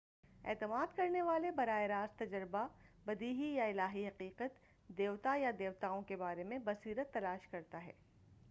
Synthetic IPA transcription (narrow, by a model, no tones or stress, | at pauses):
ɛ̰ːt̪əmaːd̪kɐɾneʋaːlebɐɾaːeɾaːzt̪ɐd͡ʒəɾbabɐd̪iːɦijaɪlaːɦiɦɐqiːqət̪ | d̪eːʋt̪ajad̪eːʋt̪aːõkebaːɾemẽbɐsiːɾət̪ːɐlaːʃkɐɾt̪aɦɛ̰ː